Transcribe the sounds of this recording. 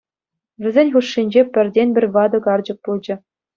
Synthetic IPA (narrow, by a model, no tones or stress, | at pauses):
ʋʲɘ̆zʲenʲχuʂːinʲd͡ʑepʲɘ̆rʲdʲenʲbʲɘ̆rʲʋɑd̪ɤ̆ɡɑrd͡ʑɤ̆k̚pulˠd͡ʑɘ̆